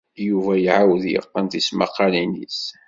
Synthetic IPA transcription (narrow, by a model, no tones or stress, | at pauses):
juvæjʕawəðjə̰qːənt̪ismɑqːɑlinḭs